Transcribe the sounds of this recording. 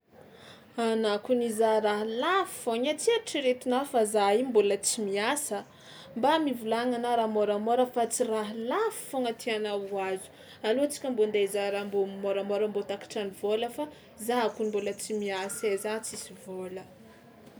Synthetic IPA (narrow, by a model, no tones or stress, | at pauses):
anakunizaɾaɦlafi̥foɲat͡siaʈ͡ʂiɾet̪unafazaimbulət͡simiasə | mbamivulaŋanaɾamoɾamoɾəfat͡siraɦlafi̥foŋət̪ʰianawuazu̥ | alot͡si̥kʲəmbond̪ezaɾambomoɾamoɾəmbot̪aki̥ʈ͡ʂanivoləfa | zaakunimbulət͡simiasezat͡sisivolə